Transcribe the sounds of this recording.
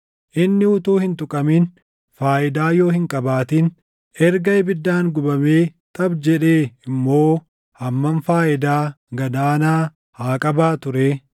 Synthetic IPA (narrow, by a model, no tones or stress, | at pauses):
ʔɪnːɪʊt̪uːhɪnt̪ʊkʼɐmin | faːʔɪd̪aːjo̞ːhɪŋkʼɐbaːt̪in | ɛɾɡɐɪbɪd̪ːaːŋɡʊbɐmeːt̪ɐbd͡ʒɛᶑeːɪmːo̞ː | hɐmːɐnfaːʔɪd̪aː | ɡɐd̪aːnaː | haːkʼɐbaːt̪ʊɾeː